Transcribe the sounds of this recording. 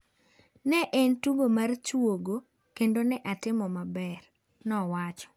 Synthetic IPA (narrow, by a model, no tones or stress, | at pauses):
nɛʔɛntuɡomart͡ʃwoɡo | kendonɛʔatɪmɔmabɛr | nɔwat͡ʃɔ̥